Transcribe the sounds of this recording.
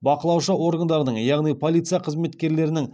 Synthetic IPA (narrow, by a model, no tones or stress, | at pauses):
bɑqəlˠɑwʃəwo̞ɾɡənd̪ɑɾənəɴjɑʁnijpʰo̞lʲˠijt̪sɨjɑqʰəzme̞t̪kʲe̞ɾle̞ɾɪnɪŋ